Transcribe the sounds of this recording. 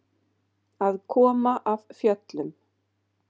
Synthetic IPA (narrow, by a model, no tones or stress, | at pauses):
aðkʰɔːmaʔavfjœt̪lʏm